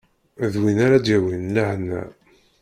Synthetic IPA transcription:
ðwinaɾad̪jæwinlahnːæ̰

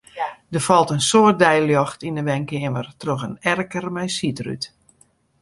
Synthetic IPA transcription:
dəfɔlˠtənsoərt̚dɛjljɔxtindəʋɛŋkɪəmərtroxənɛrkərmɛjsitry̰t

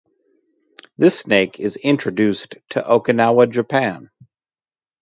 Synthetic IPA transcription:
ðɪsneɪkʰɪzɪ̃nt͡ʃɹ̥ɨdʉstʰɨ̰ʔoʊkɨnaʊwəd͡ʒɨpʰæ̃n

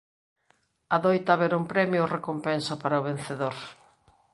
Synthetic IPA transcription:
aðojt̪aːβeɾumpɾɛmjʊrekompɛnsʊpaɾaʊβen̟θeðoɾ

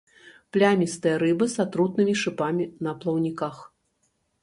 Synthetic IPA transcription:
plʲamʲist̪ɨjɐɾɨbɨsat̪ɾut̪̚nɨmʲiʂɨpamʲinɐplˠɐwnʲikax

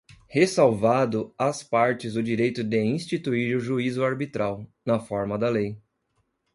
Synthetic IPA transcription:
hesawvad̪ʊaspaɾt͡ʃɪzʊd͡ʒiɾejt̪ʊd̪ɪĩst͡ʃit̪uiɾʊʒuizʊaɾbit̪ɾawnɐfɔɾmɐd̪ɐlej

